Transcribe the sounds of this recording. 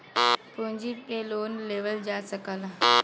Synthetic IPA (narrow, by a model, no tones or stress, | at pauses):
põɲd͡ʒipeloːnleːʋəld͡ʒaːsəkala